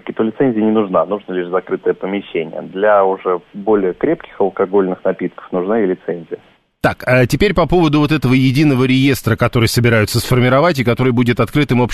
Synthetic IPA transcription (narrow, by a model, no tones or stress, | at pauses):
kʲɪt̪olʲɪt̪sɛnʲzʲɪjənʲɪnʊʐnanuʐnəlʲiʂzɐkɾɨt̪əjəpəmʲɪɕːenʲɪ̰jə̰d̪lʲaʊʐɛbo̞lʲɪjəkɾʲep̚kʲɪ̥xəlˠkɐɡo̞lʲnɨxnɐpʲit̪kə̥fnʊʐnaɪlʲɪt̪sɛnʲzʲɪjə | t̪akətʲɪpʲeɾʲpɐpo̞vəd̪ʊvo̞t̪̬ɛt̪əvəjɪdʲinəvəɾʲɪje̞st̪ɾəkɐt̪o̞ɾɨjsəbʲɪɾajʊt̪səsfərmʲɪɾɐvatʲɪkɐt̪o̞ɾɨjbudʲɪt̪ɐt̪kɾɨt̪ɨmop